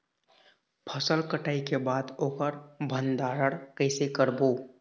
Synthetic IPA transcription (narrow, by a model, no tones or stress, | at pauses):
pʰəsəlkəʈaːikebaːd̪oːkəɾbʱə̃nd̪aːɾəɽkəɪsekəɾboː